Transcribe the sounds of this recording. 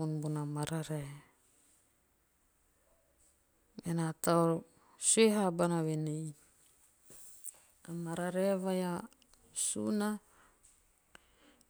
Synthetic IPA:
unbunamaɾaɾe | menat̪ao | sueɦabanawenej | amaɾaɾeβaja | sṵna

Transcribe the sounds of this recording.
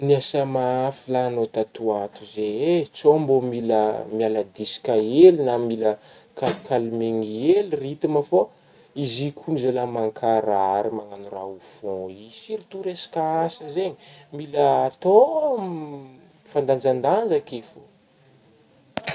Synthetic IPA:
niasamaafilanot̪at̪uat̪uzeet͡sombomilə̰mialəd̪isi̥kaelinamilə | kalkalmeŋielirit̪imafo | izikʰumizolamaŋkʰaɾaɾimaŋanura̰ufɔ̃isirit̪uɾesḁkaasəzeɲimiləːt̪o | fand̪and͡ʒand̪and͡ʒakefo

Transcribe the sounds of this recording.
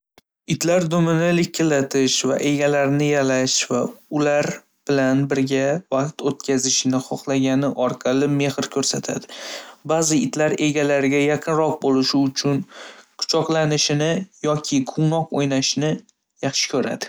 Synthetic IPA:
ɪt̪laɾd̪ʊmɪnɪlɪk̚ʲʰːɪlat̪ʰɪʃva̰ʔe̞ɡʲalaɾnɪjalaʃvaʊlaɾ | b̥ɪlanbɪɾɡʲavɑqt̪ot̪̚kʲʰazɪʃɪnɪχɒχlˠaɡʲanɪʔɒɾqʰɑlˠɪme̞hɪɾkʲʰɵɾsat̪ʰa̰d̪ɪbazɪɪt̪ʰlaɾe̞ɡʲalaɾɡʲajaqʰɨnɾɒq̚bolˠɪʃɪʊt͡ʃʰʊnkʰʊ̥t͡ʃʰɒqlˠanɪʃɪnɪjɒkʲʰɪqʰʊŋnɒqojnaʃɪnɪ | jɑχʃɪ̥kʲʰɵɾa̰d̪ɪ

